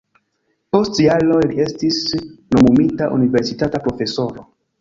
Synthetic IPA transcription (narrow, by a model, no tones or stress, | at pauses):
po̞stialolie̞stisno̞mumitaʔṵnive̞ɾsitatapɾo̞fe̞so̞ɾo